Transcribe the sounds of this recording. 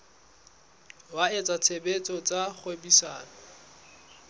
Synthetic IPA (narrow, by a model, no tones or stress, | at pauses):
waet͡sʼat͡sʰebet͡sʼɔt͡sʼaχwebisaːnɔ